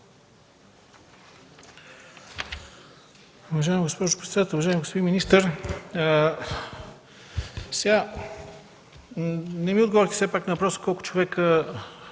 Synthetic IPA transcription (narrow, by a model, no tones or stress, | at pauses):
ʊvɐʒaɛmiɡospɔʒʊpɾɛt̪sɛd̪at̪ɛlˠʊvɐʒaɛmiɡospoiminist̪əɾ | sɛɡa | nɛmiʊd̪ɡovɔɾit̪i̥sɛpaknɐvɐpɾɔsə̥kɔlˠkʊ̥t͡ʃovɛkə